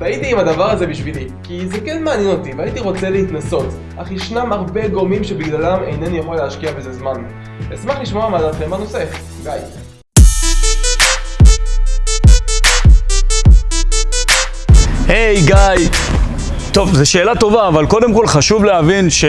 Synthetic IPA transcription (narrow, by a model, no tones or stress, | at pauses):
vait̪iːmadavaʁaze̞biʃvilikizekenmeaːnjɛno̞t̪iveait̪iʁo̞t͡se̞leit̪naso̞t | ʔaχiʃnamaʁbe̞ɡomimʃe̞biɡlalamejnenujeχo̞leaʃkiabezezman | esmaχliʃmoamalaχemano̞sef | ɡaj | hejɡaj | t̪o̞vzeʃeːlat̪o̞vaːvalko̞demko̞lχaʃuvlehavinʃe